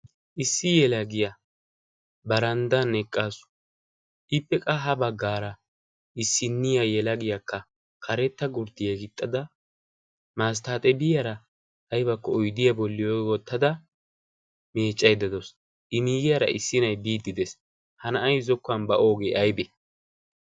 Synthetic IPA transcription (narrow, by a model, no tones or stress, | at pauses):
ʔɪsːɪjɛlɐɡɪjɐ | bɐɾɐnd̪ɐnɛkʼːaːsʊ̥ | ʔɪpːɛkʼɐɦɐbɐɡːaːɾɐ | ɪsːɪnːɪjajɛlɐɡɪjakʰːɐ | kʰɐɾɛt̪ːɐɡʊɾd̪ɪjɛɡɪt̪ʼːɐd̪ɐ | maːs̬t̪aːt̪ʼɛbɪjɐɾɐː | jbɐkːɔɔjd̪ɪjɐbɔlːɪjowɔt̪ːɐd̪ɐ | meːt͡ʃʼːɐjd̪ɐd̪ɔs | ʔɪmiːɡɪjɐɾɐ̰ʔɪsːɪnɐjbiːd̪ːɪd̪ɛs | hɐnɐʔɐjzɔkːɐnbɐʔoːɡeʔɐjbɛ